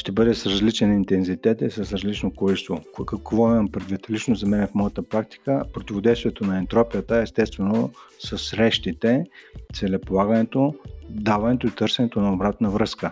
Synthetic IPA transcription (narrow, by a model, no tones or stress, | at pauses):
ʃt̪ɛbɤd̪ɛsɾɐzlit͡ʃɛnint̪ɛnzit̪ɛt̪isɐsɾɐzlit͡ʃnokɔlist̪vokəkvɔimɐmpɾɛd̪vit̪lit͡ʃnozɐmɛnɛfmɔjət̪əpɾak̚t̪i̥kəpɾot̪ʲivod̪ɛjst̪vʲiɛt̪onɐɛnt̪ɾɔpiət̪əɛst̪ɛst̪vɛnosɐsːɾɛʃt̪it̪ɛt̪sɛlɛpolˠaɡənɛt̪od̪avɐnɛt̪oit̪ɤɾsɛnɛt̪onɐobɾat̪nəvɾɤskə